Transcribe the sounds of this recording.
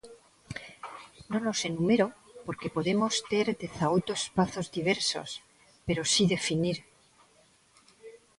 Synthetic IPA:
no̞no̞se̞numeɾopo̞ɾke̞po̞ðe̞mo̞st̪e̞ɾd̪e̞θawt̪oespaθo̞zd̪iβ̞e̞ɾso̞̰s | pe̞ɾo̞siðe̞finiɾ

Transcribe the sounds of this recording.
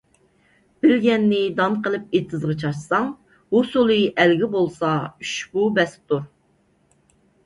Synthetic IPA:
b̥ɪlɡʲɛnːɪd̪ɑnqəlˠɨp̚et̪ʰɨzʁɨt͡ʃʰɑʃsɑŋ | hosulˠɨʔælɡʲɪbolˠsɑyʃbubɛs̚t̪ʰuɾ

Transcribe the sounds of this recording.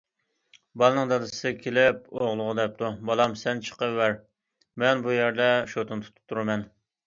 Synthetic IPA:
bɑlˠnɨŋd̪ɑd̪ɨsɨkʲʰelɪp̚oʁlˠʊʁəd̪ɛp̚t̪ʰubɑlˠɑmsɛnt͡ʃʰə̥qəːæɾ | mɛnbujæɾd̪ɛʃot̪ʰunt̪ʰu̥t̪ʰu̥p̚t̪ʰːuɾɨmɛn

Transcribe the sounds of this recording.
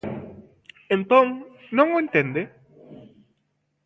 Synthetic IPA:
ẽnt̪õŋ | nõŋoẽnt̪end̪e

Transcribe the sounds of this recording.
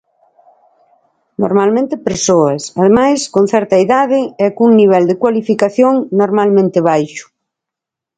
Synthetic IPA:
no̰ɾmalmẽnt̪ɪpeɾsoɐsaðemajskon̟θɛɾt̪ɐiðaðɪɛkuŋniβ̞ɛld̪ekwalifikaθjoŋnoɾmalmẽnt̪ɪβ̞ajʃʊ̥

